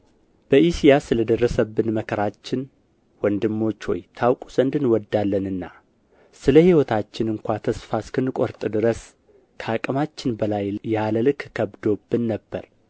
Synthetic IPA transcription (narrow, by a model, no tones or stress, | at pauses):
b̥əʔisijasɨləd̪ərːəsəbːɨnməkʰəɾat͡ʃːɪn | wɔnd̪ɨmːo̞t͡ʃːwɔ̰jt̪ʰawkʼu̥sɨnd̪ɨnwɔd̪ːalːənɨnːa | sɨləhiwɔt̪ʰat͡ʃːɪnɨŋkʷat̪ʰəsfaskʰɨnːɨkʼo̞ɾt̪ʼɨd̪ɨɾəs | kʰəakʼəmat͡ʃːɪnbəlajːaləlɨkkʰəβd̪o̞bːɨnːəbːəɾ